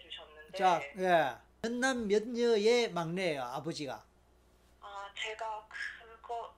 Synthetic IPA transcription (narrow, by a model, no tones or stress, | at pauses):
uɕʰʌnːɯnt͡ɕak̚je | jʌnːamːjʌt̚ɲɯjemaŋnejoabod͡ʑiɡa̰ | at͡ɕeɡakɯnɡo